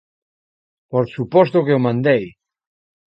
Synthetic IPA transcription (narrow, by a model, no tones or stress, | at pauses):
poɾsupɔst̪okeomãnd̪ej